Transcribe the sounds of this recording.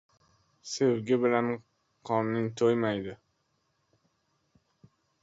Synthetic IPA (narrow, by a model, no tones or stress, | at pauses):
sewɡʲɪbɪlan | qʰɒnːɪŋt̪ʰojmajd̪ɪ